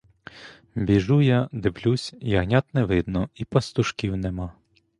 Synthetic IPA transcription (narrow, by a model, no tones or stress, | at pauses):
bʲiʒujad̪ɪblʲusʲjɐɦnʲat̪nɛʋɪd̪nɔipɐst̪ʊʃkʲiwnɛmɑ